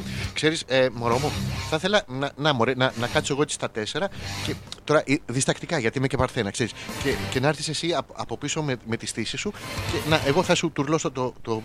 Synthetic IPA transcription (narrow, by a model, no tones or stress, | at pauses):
kse̞ɾisemo̞ɾo̞moθɐθe̞lɐnɐnɐmoɾenɐnɐkɐt̪i̥soe̞ɣoet͡si̥st̪ɐt̪e̞se̞ɾɐcet̪o̞ɾɐʔiðist̪ɐkt̪ikɐʝɐt̪imecepɐɾθe̞nɐkse̞ɾiscece̞nɐɐɾθise̞siɐɐ̰po̞piso̞meme̞t̪isθisisucenɐʔe̞ɣo̞θɐsut̪uɾlo̞sot̪ot̪o